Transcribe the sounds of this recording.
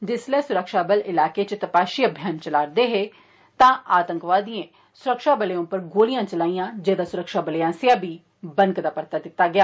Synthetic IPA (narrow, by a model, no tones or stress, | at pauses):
d͡ʒɪslɛːsʊɾəkʃaːbəlɪlaːkeːt͡ʃt̪əpaːʃiːəbʱjaːnt͡ʃəlaːɾd̪eːɦeː | t̪ãːʔaːt̪ə̃ŋkʋaːd̪iẽː | sʊɾəkʃaːbəleõːpəɾɡoːlɪjãːt͡ʃəlaːijãːd͡ʒeːd̪aːsʊɾəkʃaːbəleãːsɪãːbiː | bənkd̪aːpəɾt̪aːd̪ɪt̪ːaːɡɪjaː